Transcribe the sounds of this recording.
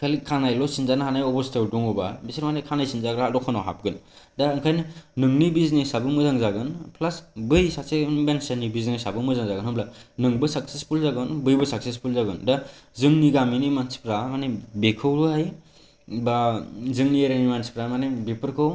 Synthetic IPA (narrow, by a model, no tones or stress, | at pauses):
kʰalikʰanajlɔsinzanahanajɔbɔstewduŋɔbabisiɾmanekʰanajsinzaɡɾalɔkʰɯnɔɦa̰p̚ɡɯn | daɯŋkʰajnɯnɯŋnibiznesabɯmɯzaŋzaɡɯnpʰlasbɯjsak̚sebensenibiznesabɯmɯzaŋzaɡɯnhɯmblanɯŋbɯsaksespʰulzaɡɯnbɯjbɯsak̚sespʰulzaɡɯndazɯŋniɡaminimansi̥pɾamanebekʰɯwɾuaj | bazɯŋnieɾanimansi̥pɾamanebepʰɯɾkʰɯw